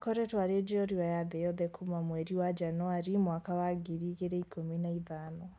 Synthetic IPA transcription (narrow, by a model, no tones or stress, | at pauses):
kɔɾɛtwaɾed͡ʒiɔɾiajaðɛjɔðɛkʰumamwɛɾiwad͡ʒanɔaɾimwakawaɡiɾiɣeɾɛikominaiðanɔ